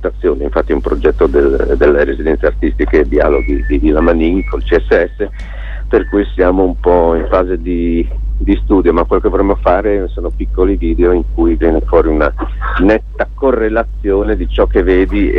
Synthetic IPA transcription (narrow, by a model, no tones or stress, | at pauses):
t̪at̪sːjoːneiɱfat̪ːiumpɾod͡ʒɛt̪ːod̪eld̪elːeɾezid̪ɛnt̪seart̪ist̪iked̪ia̰ːloɡid̪ivilːamaniŋkolt͡ʃiɛsːeɛsːe | perkujsjaːmoumpɔiɱfaːzed̪i | d̪ist̪uːd̪jomakwelːokevoɾemːofaːɾesoːnopikːoliviːd̪eoiŋkujvjɛnefwɔːɾiuna | nɛt̪ːakorːelat̪sːjoːned̪it͡ʃɔkːeveːd̪i